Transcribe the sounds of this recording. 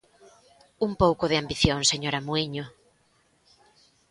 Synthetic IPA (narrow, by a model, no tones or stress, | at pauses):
umpowkʊðɪambiθjoŋseɲoɾamuiɲo